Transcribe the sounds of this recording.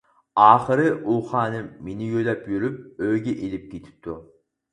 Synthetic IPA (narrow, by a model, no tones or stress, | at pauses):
ɑːχɨɾɨʔuχɑːnɨmenɪjøjlɛpjyɾyp̚øjɡʲɛʔelɪp̚kʲʰet̪ʰɪ̥p̚t̪ʰːu